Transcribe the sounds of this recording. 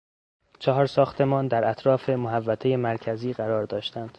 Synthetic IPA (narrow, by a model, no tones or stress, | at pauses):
t͡ʃʰɒɦɒːɾsɒːxt̪ʰe̞mɒːnd̪æɾæt̪ʰɾɒːfe̞moɦævːæt̪ʰe̞jemæɾcʰæziːɢæɾɒːɾd̪ɒːʃt̪ænd̪̥